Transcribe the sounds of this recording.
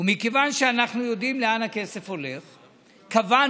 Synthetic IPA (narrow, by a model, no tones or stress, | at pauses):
umikevanʃeanaχnujo̞d̪imleanhake̞se̞fho̞leχ | kava